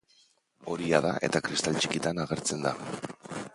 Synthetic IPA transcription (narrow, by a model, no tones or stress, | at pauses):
o̞ɾiaðaʔe̞̰t̪akɾist̪alt͡ʃikit̪anaɣ̞e̞ɾt͡se̞nd̪a